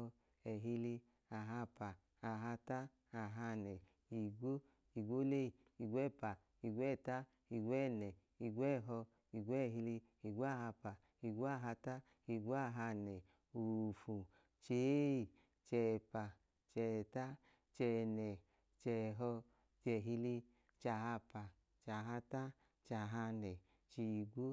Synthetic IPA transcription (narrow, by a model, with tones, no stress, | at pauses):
ɛ˨ɦi˧li˧ | a˨ɦa˧pa˨ | a˨ɦa˧ta˦ | a˨ɦa˧˨nɛ˨ | i˨ɡʷo˦ | i˨ɡʷo˦le˦i˨ | i˨ɡʷɛ˦˨pa˨ | i˧ɡʷɛ˦˨ta˦ | i˨ɡʷɛ˦˨nɛ˨ | i˨ɡʷɛ˦˨ɦɔ˧ | i˨ɡʷɛ˦˨ɦi˧li˧ | i˨ɡʷa˦˨ɦa˧pa˨ | i˨ɡʷo˦a˦˨ɦa˧ta˦ | i˧ɡʷo˦a˦˨ɦa˧nɛ˨ | u˨fu˨ | t͡ʃe˨˦˨ | t͡ʃɛ˧˨pa˨ | t͡ʃɛ˧˨ta˦ | t͡ʃɛ˧nɛ˨ | t͡ʃɛ˧˨ɦɔ˧ | t͡ʃɛ˧˨ɦi˧li˧ | t͡ʃa˧˨ɦa˧pa˨ | t͡ʃa˨ɦa˧ta˦ | t͡ʃa˨ɦa˧nɛ˨ | t͡ʃi˧i˧ɡʷo˦